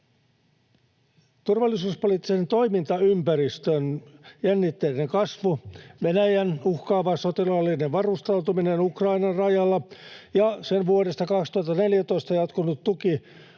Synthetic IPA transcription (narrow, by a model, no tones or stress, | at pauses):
t̪urʋɑlːisuːspolit̪ːise̞nt̪o̞imint̪ɑympærist̪ønjænːit̪ːelneŋkɑsʋuʋenæjænuhkɑːʋɑsot̪ilɑlːineʋʋɑrust̪ɑwt̪uminenukrɑinɑrrɑjɑlːɑjɑsenʋuoɾest̪ɑkɑkst̪uhɑt̪ːɑne̞ljæt̪oist̪ɑjɑt̪kunut̪t̪uki